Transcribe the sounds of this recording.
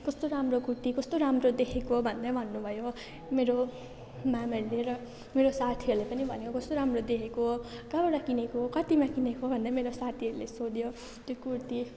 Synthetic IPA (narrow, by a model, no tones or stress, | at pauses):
kʌst̪oɾamrokuɾt̪ikʌst̪oɾamrod̪ekʰekobʱʌnd̪abʱʌnːubʱʌjo | meɾo | mamʌɾuleɾʌ | meɾosat̪ʰiʌɾulepʌnibʱʌnekokʌst̪oɾamrod̪ekʰekokabʌɽakinekokʌt̪imakinekobʱʌnd̪ameɾosat̪ʰiɦʌɾulesod̪jo | t̪jokuɾt̪i